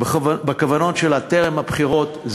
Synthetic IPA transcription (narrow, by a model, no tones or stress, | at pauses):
bekavano̞tʃelateʁemhabχiʁo̞t̪z